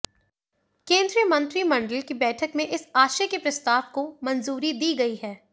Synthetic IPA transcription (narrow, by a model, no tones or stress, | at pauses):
kẽːnd̪ɾijəmɐ̃nt̪ɾimɐ̃ɳɖəlkibɛːʈʰəkmẽʔɪsaːʃekepɾɐst̪aːʋkomɐnzuːɾid̪iːɡɐiɦɛː